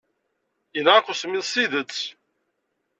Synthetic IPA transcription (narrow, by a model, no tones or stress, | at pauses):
jənʁakʷːʊsmiðsiðət͡sː